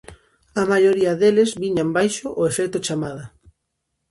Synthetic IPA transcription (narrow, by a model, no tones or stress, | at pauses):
amajoɾiɐðelezβiɲambajʃoʔoefɛkt̪ot͡ʃamaða